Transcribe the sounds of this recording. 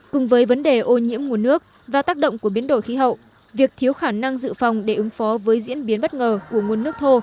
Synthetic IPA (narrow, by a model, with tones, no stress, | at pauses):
kʊ˨˩ŋ͡mvəː˨˦jvə˨˦nɗe˨˩ʔo˧ɲḭ˧˥əmŋu˧ənːɨ˦˥ək̚ | vaː˨˩t̪aː˦˥k̚ɗə̰˧˨wŋ͡mku˧˩əɓi˨˦ənɗo̰˧˩˨jxi˨˦ɦə̰˧˨wʔ | vi˨˩ək̚t̪ʰi˨˦əwxaː˧˩na˧ŋzɨ̰˧˨fa˨˩wŋ͡mɗe˧˩ʔɨ˨˦ŋfɔ˨˦vəː˨˦jzḭ˧˥ənɓi˨˦ənɓə˦˥t̚ŋəː˨˩ku˧˩əŋu˧ənːɨ˦˥ək̚t̪ʰo˧